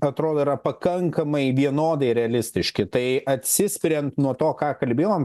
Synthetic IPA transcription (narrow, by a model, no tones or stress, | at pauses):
ɐt̪ɾoːd̪oːiɾɐpɐkɐŋkɐmɐɪʋʲiɛnoːd̪ɐɪɾʲɛɐlʲɪsʲt̪ʲɪʃʲkʲɪt̪ɐɪʔɐt̪ʲsʲɪsʲpʲɪɾʲɛnt̪nuɔt̪oːkɑːkɐlʲbʲeːjoːm